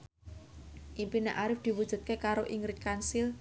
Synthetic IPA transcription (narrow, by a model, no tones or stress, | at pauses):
ʔimpineʔaɾɪfd̪̥i̤wud̥ʒ̥ṳt̪̚kekaɾoʔiŋɾɪt̪̚kansil